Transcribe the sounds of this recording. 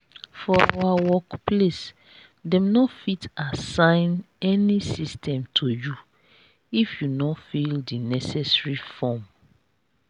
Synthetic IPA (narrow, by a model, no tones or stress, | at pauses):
fɔa̰wawɔkples | dɛ̃mnɔfitasãɪ̃n | ɛnisistʰɛ̃mtʰoju | ifjunɔfildinɛsɛsɹifɔm